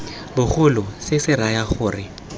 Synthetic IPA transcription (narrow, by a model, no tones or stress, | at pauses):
bʊχʊlʊsɪsɪrajaχʊːrɪ